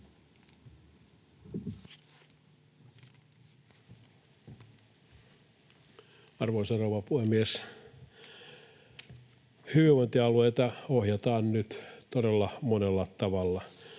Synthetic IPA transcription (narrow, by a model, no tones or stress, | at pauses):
ɑrʋosɑroːʋɑpuhemːies | hyʋiʋʋont̪iɑlueit̪ɑohjɑt̪ɑːnnyt̪t̪odelːɑmonelːɑt̪ɑʋɑlːɑ